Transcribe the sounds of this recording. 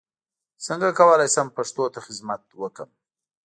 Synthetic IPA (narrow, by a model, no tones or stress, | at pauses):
səŋɡakawəlajsampaʂt̪ot̪axɪzmat̪wəkəm